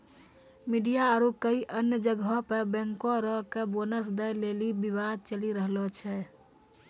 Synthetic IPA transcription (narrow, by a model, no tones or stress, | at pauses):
miɖijaːɾukəiʔənjəd͡ʒəɡʱɔpəbɛ̃ŋkõɾɔɦkebonəsd̪əjlelibibad̪̚t͡ʃəliɾəɦlɔt͡ʃʰɛ